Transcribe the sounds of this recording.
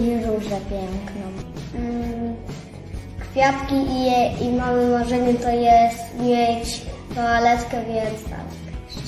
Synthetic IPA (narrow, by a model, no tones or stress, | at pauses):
ɾuʐɛpʲjɛŋknɔ | kfʲjat̪kʲiʔiɛimamɨmaʐɛɲɛt̪ɔjɛst̪mʲjɛt͡ɕ | tɔalɛtkɛvʲjɛnst̪a̰ | k